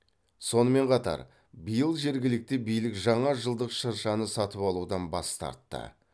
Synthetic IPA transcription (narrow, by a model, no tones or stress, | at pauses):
so̞nəme̞ɴqʰɑt̪ɑ̰ɾ | bəjəlˠʒe̞ɾɡʲɪlɪk̚t̪ɪbijlɪkʒɑɴɑʒəlˠd̪əqʃəɾʃɑnəsɑt̪əpɑlˠud̪ɑnbɑst̪ɑ̰ɾt̪ːə̰